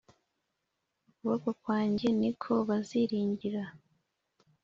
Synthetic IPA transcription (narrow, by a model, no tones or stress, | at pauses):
uβakakwaːɲɟe̞nikʰo̞βaziɾiːɲɟiɾa